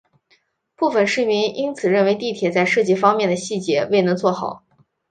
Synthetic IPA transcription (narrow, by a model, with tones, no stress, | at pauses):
pu˥˩fə˨˩nʂɻ̩˥˩mi˧˥ni˥nt͡sʰɹ̩˨˩ɻə˥˩nwe˧˥ɪt̪i˥˩t̪ʰjɛ˨˩t͡sa˥˧ɪʂɤ˥˧t͡ɕi˥˩fɑ˥ŋmjɛ˥˩nd̪ə˩ɕi˥˩t͡ɕjɛ˧˥we˥˩ɪnɤ˧˥ŋt͡swɔ˥˩xɑ˨˩˦